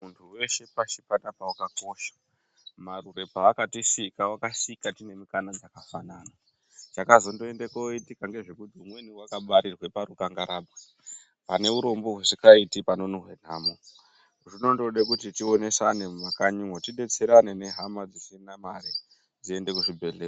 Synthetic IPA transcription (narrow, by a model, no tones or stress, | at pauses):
muntʰuwe̞ʃe̞paʃipanapawakako̞ʃḁ | marure̞paːkatisikawakasikatine̞mukanad͡zakafanana | t͡ʃakazo̞ndo̞e̞ndekoitikaŋɡe̞ʐikud̪ʱomweniwakaɓaɾirwe̞paɾukaŋɡaɾaːbwe | pane̞uɾo̞mbo̞ɦwesikaitipano̞noɦwen̤aːmo | ʐino̞ndoɗekutitione̞sanemmakaɲiŋwotiɗe̞t͡seɾanene̞ɦamad͡zit͡ʃinamaɾe | d͡zie̞nde̞kuʐibʱe̞ɮe